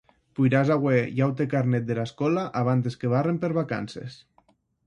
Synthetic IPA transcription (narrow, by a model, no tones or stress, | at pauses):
pujɾazaɣwejawt̪ekaɾnet̪̚d̪elaskɔlaʔaβ̞ant̪eskeβ̞arempeɾβaka̰nsḛs